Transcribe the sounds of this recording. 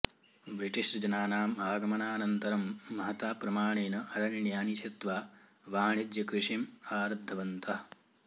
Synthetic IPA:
bɾiʈiʃɾɐd͡ʒɐnaːnaːmaːɡɐmɐnaːnɐnt̪ɐɾɐmːɐɦɐt̪aːpɾɐmaːɳeːnɐʔɐɾɐnɳjaːnit͡ʃʰɐt̪ʋaː | ʋaːɳid̪jɐkɾiʂimaːɾɐb̚d̪ʱːɐʋɐnt̪ɐ

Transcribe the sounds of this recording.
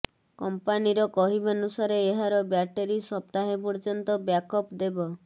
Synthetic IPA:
kɔmpaniɾɔkɔɦibanusaɾeːɦaɾɔbjaʈeɾisɔp̚t̪aɦepɔɾd͡ʒɔnt̪ɔbjakɔpd̪ebɔ

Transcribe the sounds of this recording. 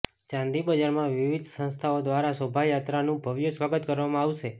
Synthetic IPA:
t͡ʃãnd̪ibəd͡ʒaɾmãʋiʋid̪ʱsə̃nst̪ʰaod̪ʋaɾasəbʱajat̪ɾanũbʱəʋjəsʋaɡət̪kəɾʋamãaʋʃe

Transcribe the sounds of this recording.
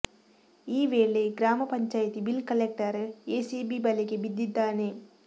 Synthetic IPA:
iːʋeːɭeɡɾaːmɐpɐɲt͡ʃaːjɐt̪ibilkɐlek̚ʈɐɾeːsiːbibɐleɡebid̪ːid̪ːaːne

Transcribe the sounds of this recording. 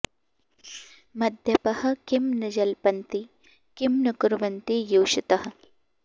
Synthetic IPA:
mɐd̪ʱjɐpɐhɐ̆kimnɐd͡ʒɐlpɐnt̪i | kimnɐkuɾʋɐnt̪ijuːʃit̪ɐɦɐ̆

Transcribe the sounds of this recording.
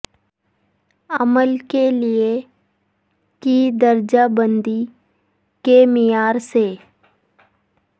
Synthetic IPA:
əməlkelie | kid̪əɾd͡ʒabə̃nd̪i | kemɪjaːɾse

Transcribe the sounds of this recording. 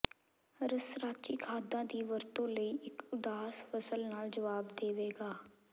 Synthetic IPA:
ɾəsɾaːt͡ʃiːkʰaːd̪ãːd̪iːʋəɾt̪õːləiːʔɪkʊd̪aːsfəsəlnaːld͡ʒəʋaːbd̪eːʋeːɡaː

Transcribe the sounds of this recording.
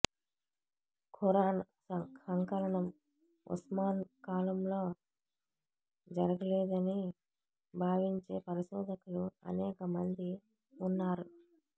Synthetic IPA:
kʰuɾa | ɐŋkɐɾɐɳɐm | ṵsmaːnkaːlɐmlo̞ː | d͡ʒɐɾɐɡɐleːd̪ɐni | bʱaːʋiɲt͡ʃe̞ːpɐɾiʃɔːd̪ʱɐkuluɐ̰nɛːkɐmɐnd̪i | unːaːɾu

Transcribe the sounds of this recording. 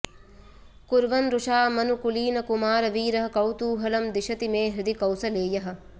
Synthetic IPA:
kuɾʋɐnɾuʃaːmɐnukuliːnɐkumaːɾɐʋiːɾɐɦɐ̆kɐwt̪uːɦɐlɐmd̪iʃɐt̪imeːɦɾid̪ikɐwsɐleːjɐɦɐ̆

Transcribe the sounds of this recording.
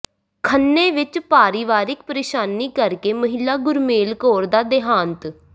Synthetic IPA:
kʰənːeːʋɪt͡ʃpaːɾiːʋaːɾɪk̚pəɾeːʃaːniːkəɾkeːməɦɪlːaːɡʊɾmeːlkoːɾd̪aːd̪ɪɦaːnt̪

